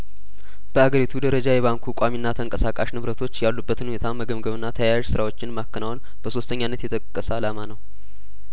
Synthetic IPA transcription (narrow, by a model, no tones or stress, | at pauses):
b̥əaɡəɾit̪ʰud̪əɾəd͡ʒajɛβaŋkʰukʼaminːat̪ʰəŋkʼəsakʼaʃnɨβɾət̪ʰo̞t͡ʃːjalːubːət̪ɨnhunet̪ʰaməɡəmɡəβɨnːat̪ʰəjajaʒsɨɾawo̞t͡ʃːɪnmakːənawn | b̥əso̞st̪ʰəɲːanːət̪jɛt̪ʰʼəkʼkʼːəsəalamanəw